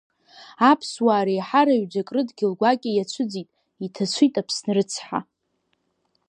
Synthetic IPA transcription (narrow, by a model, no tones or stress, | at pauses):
apʰswaːɾejħaɾaɥd͡ʒʷakʼrɨdɡʲɪlɡʷakʲʼɪjat͡ɕʷʰʊd͡zitʼ | itʰat͡ɕʷʰitʼapʰsnrɨt͡sʰħa̰